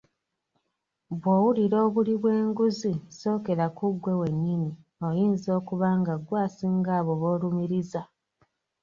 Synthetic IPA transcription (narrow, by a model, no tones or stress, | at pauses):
βwoːwuliɾo̞ːβuliβwe̞ːŋɡuziso̞ːke̞ɾakuɡwe̞we̞nːini | o̞jiːnzo̞ːkuβaːŋɡaɡwaːsiŋɡaːβo̞βoːlumiɾiza